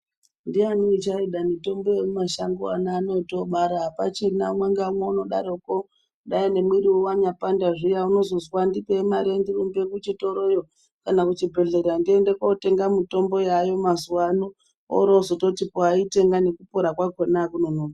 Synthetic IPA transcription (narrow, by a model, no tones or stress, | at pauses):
ndianiit͡ʃaiɗamito̞mbo̞jemumaʃaŋɡoa̰naːno̞to̞ɓaɾaːpat͡ʃirinamwaŋɡaumweuno̞ɗa̰ɾoko | ɗaine̞mwiɾiuwaɲapandaʐijauno̞zozwandipemaɾendirumbekut͡ʃito̞ɾo̞jo | kanakut͡ʃibʱe̞ɮe̞ɾɾandiendekote̞ŋɡamito̞mbo̞jajo̞mazuwano | o̰ɾozoto̞tipoaite̞ŋɡane̞kupoɾakwakwenakunonoːma